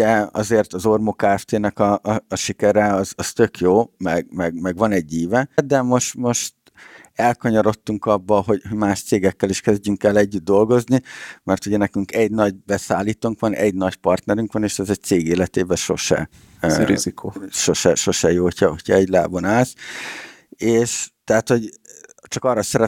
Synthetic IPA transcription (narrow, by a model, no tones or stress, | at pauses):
ɛɒ̰zeːrt̪ɒzo̞rmokaːɛft̪eːnɛkɒʔːʃikɛɾɛɒzɒst̪ø̞kjoːmɛɡmɛɡmɛɡʋɒnɛɟːiːvɛd̪ɛmo̞ʃt̪mo̞ʃt̪ | ɛlkɒɲoɾo̞t̪ːuŋkɒbːɒɦo̞ɟhoɟmaːʃt̪seːɡɛkːɛliʃkɛzɟyŋkɛlɛɟːyd̪̚ːo̞lɡo̞znimɛrt̪uɟɛnɛkyŋkɛɟnɒɟ̚bɛsaːliːt̪uŋkʋɒnʔɛ̰ɟnɒɟpɒrt̪nɛɾyŋkʋɒneːʃɛzɛc̚t̪seːɡeːlɛt̪eːbɛʃo̞̰ʃɛ̰ | ɾḭzikoʃo̞ʃɛʃo̞ʃɛjoːcʰɒocʰɒɛɟla̰ːbonaːls | eːʃt̪ɛɦat̪ho̞ɟt͡ʃɒkɒrːɒsɛɾɛ